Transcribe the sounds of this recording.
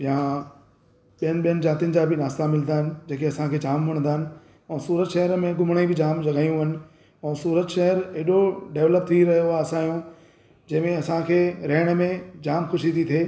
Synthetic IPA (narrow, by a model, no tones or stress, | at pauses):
jã | ɓijənɪɓijənɪ̆d͡ʑaːt̪ijʊnɪ̆d͡ʑabɪnaːst̪amɪlənd̪aːɦɪnɪ̆d͡ʑẽːkeɐsãkʰeːd͡ʑaːmːɐɽ̃nd̪aːɦɪnɪ̆ | ɛ̃ːsuːɾət̪ʃɐɦəɾmẽɡʊmɽ̃ibɪd͡ʑaːmd͡ʑɐɠaːjũɦənɪ̆ | ɛ̃ːsuːɾət̪ʃɐɦəɾeːɗoɖeːʋləp̚t̪ʰiɾɐɦijoaɐsãːijũ | d͡ʑɐ̃ɦɪ̃mẽɐsãkʰeːɾɐɦɪɽ̃əmẽd͡ʑaːmxʊʃit̪ʰit̪ʰeː